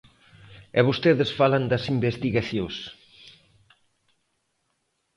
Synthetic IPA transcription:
ɛβost̪eðɪsfaland̪ɐsimbest̪iɣaθjos

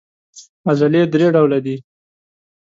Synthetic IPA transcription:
azaled̪ɾeɖawlad̪i

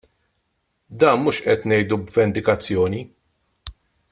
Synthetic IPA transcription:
d̪ɐːnmuːʃʔɛt̪nɛjd̪ubvɛnd̪ɪkɐt͡sːjɔːni

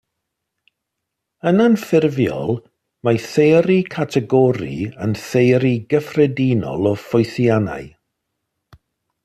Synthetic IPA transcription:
ənanfɪrvjɔ̰lˠ | maθejɾikʰatʰɛɡɔɾḭənθejɾiɡəfrɛdinɔ̰lˠɔfɔɨθjana̰ɨ

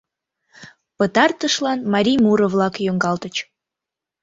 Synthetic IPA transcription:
pət̪ɑrt̪əʃlɑnmɑɾʲijmuɾəvlɑkjoŋɡɑlt̪ət͡ɕ

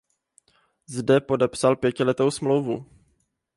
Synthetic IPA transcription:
zdɛpo̞dɛpsalpjɛcɪlɛt̪o̞wsmlowvṵ

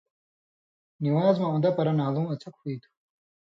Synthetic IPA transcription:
niwaːzmɐũnd̪ɐpɐɾɐnaːlũːɐt͡sʰɐkhiːt̪ʰu̥

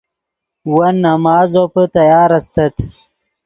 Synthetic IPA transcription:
wɐnːɐmɑːzopət̪ɐjɑːɾɐst̪ɐt̪

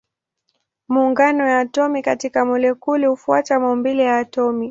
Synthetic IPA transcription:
muːŋɡanɔjaːtɔmikatikamɔlɛkulihufua̰tamaumbilɛjaːtɔmi

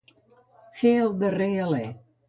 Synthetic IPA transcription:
feəlˠd̪əreəlɛ

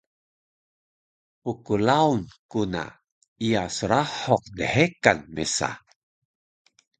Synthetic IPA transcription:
pukulaunkuna̰ | ijasəɾaħɔq̚dəħekanmesa̰

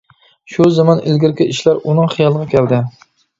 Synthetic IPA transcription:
ʃuzɑmɑnɪlɡʲɪɾkʲiiʃlæɾunɨŋχɨjɑlˠəʁɑkʲʰɛld̪ɪ

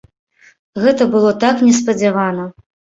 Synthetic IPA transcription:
ɣɛt̪ɐbɨlˠɔt̪aknʲɛspɐd͡zʲavanɐ

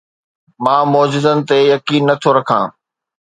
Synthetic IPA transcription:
mãːmoːd͡ʑɪzənɪ̆t̪ejɐkiːnːɐt̪ʰoɾɐkʰã̰ː

